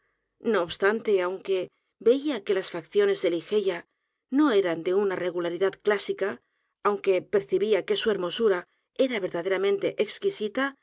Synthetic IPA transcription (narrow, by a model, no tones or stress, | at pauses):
no̞ːβst̪ant̪e̞awŋke̞ | be̞iake̞lasfakθjo̞ne̞zðe̞lixe̞ja | no̞e̞ɾand̪e̞unare̞ɣ̞ulaɾiðat̪klasikaː | wŋke̞pe̞ɾθiβiake̞sue̞ɾmo̞suɾa | e̞ɾaβe̞ɾðaðe̞ɾamẽ̞nt̪e̞ʔekskisit̪a